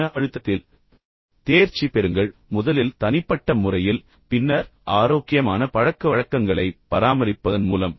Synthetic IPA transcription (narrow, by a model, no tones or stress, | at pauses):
ɐɐɻɯt̪ːɐt̪ːɪl | t̪eːɾt͡ʃːipɛɾɯŋɡɐɭmʊðɐlɪlt̪ɐnɪpːɐʈːɐmʊrɐjɪl | pɪnːɐɾʔaːɾoːkːɪjɐmaːnɐpɐɻɐkːɐʋɐɻɐkːɐŋɡɐɭɐɪpːɐɾaːmɐɾɪpːɐðɐnmuːlɐm